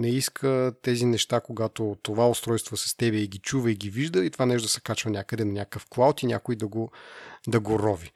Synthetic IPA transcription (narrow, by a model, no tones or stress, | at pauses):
nɛiskʰət̪ɛzinɛʃt̪akoɡat̪ot̪ovaʊst̪ɾɔjst̪vosɐ̥st̪ɛbɛiɡʲit͡ʃuvəiɡʲiviʒd̪əit̪ovanɛʃ̬t̪əsɛ̥kat͡ʃvənʲakəd̪ɛnɐnʲakəfklˠawt̪inʲakoid̪ɐɡod̪ɐɡoɾɔvi